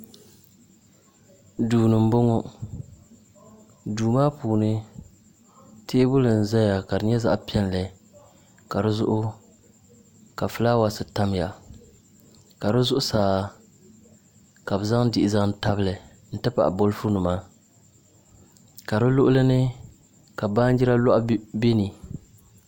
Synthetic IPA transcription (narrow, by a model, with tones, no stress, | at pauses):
duː˨nɨ˨m̩˦bo˦ŋɔ˦ | duː˨maː˦puː˨nɨ˦ | teː˦bʊ˦lɨ˨n̩˨zɛ˦ja˨ka˨dɨ˨˦ɲɛ˦za̰˦ʔpi˦ɛ˦nlɨ˨ | ka˨ɾɨ˦zʊ˦ʔʊ˦ | ka˨fɨ˦laː˦wa˨sɨ˨ta˦m˦ja˨ | ka˨ɾɨ˦zʊ˦ʔʊ˦saː˨ | ka˨bɨ˨za˦ŋ˦dɪ˨ʔɪ˨za˦ŋ̩˦ta˦bɨ˦lɨ˨ | n̩˦tɨ˦pa̰˨ʔbo˦lfu˦nu˨ma˦ | ka˨ɾɨ˦lʊ˦ʔʊ˦lɨ˦nɨ˦ | ka˨ba˦n˦d͡ʒi˦ɾa˦lɔ˦ʔbe˦ni˨